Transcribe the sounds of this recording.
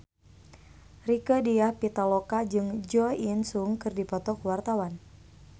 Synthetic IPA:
rikədiahpit̪alɔkad͡ʒɨŋd͡ʒɔinsuŋkɨrdipɔt̪ɔkuwart̪awan

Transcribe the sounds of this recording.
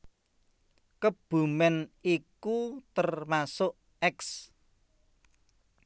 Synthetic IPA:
kəb̥ṳmɛnikut̪ərmasʊʔ | ɛks

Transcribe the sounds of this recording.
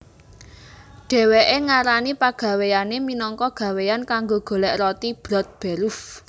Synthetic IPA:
ɖ̥ɛ̤weʔeŋaɾanipaɡ̥ä̤wejaneminɔŋkɔɡ̥ä̤wejankaŋɡoɡ̥o̤lɛʔrɔt̪ib̥ɾɔt̪̚b̥ɛ̤ɾʊf

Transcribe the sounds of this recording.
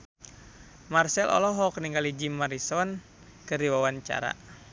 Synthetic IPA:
marsɛlʔɔ̰lɔɦɔk̚niŋɡalid͡ʒimaɾisɔn | kɨrdiwawaɲt͡ʃa̰ɾa̰

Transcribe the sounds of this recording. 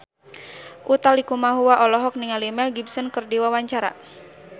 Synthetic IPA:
ʔut̪alikumaɦuwaʔɔlɔɦɔk̚niŋalimɛlɡibsənkərdiwawaɲt͡ʃaɾa̰

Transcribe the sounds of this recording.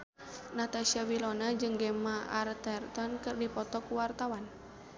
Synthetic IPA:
nat̪asiawilɔnad͡ʒɨŋɡɛmaʔart̪ɛrt̪ɔnkɨrdipɔt̪ɔkuwart̪awan

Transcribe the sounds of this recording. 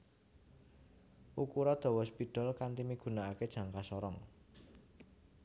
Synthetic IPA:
ʔukuɾɔd̪̥ɔ̤wɔspiɖ̥ɔ̤lkant̪imiɡ̥ṳnaaked̥ʒ̥a̤ŋkasɔɾɔŋ

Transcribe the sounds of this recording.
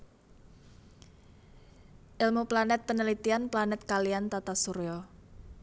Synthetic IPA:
ʔɪlmuplanɛt̪̚pənəlit̪ianplanɛt̪̚kaliant̪at̪asuɾɔ

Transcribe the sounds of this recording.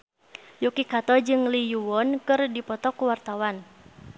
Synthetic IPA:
jukikat̪ɔd͡ʒɨŋlijuwɔnkɨrdipɔt̪ɔkuwart̪awan

